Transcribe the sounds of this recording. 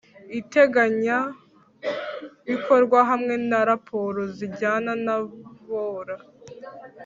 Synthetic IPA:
ite̞ɡaɲa | βiko̞ɾɡwaɦamŋe̞naɾapʰo̞ɾoziɟaːnanaβoːɾa

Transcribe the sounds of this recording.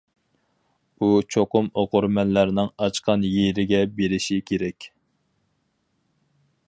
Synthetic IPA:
ut͡ʃʰoqʊmoqʊɾmɛnlæɾnɪŋɑt͡ʃqɑnjeɾɪɡʲɛbeɾɪʃikʲʰeɾɛkʲ

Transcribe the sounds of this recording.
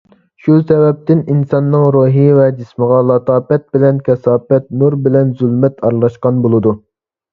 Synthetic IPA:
ʃusɛvɛp̚t̪ɪninsɑnːɨŋɾuːɦivɛd͡ʒisməʁɑlˠɑt̪ʰɑːpɛt̪̚bɪlɛnkʲɛsɑːpɛt̪nuɾbɪlɛnzylmɛt̪ʰɑɾlˠɑʃqɑnbolˠɨd̪u

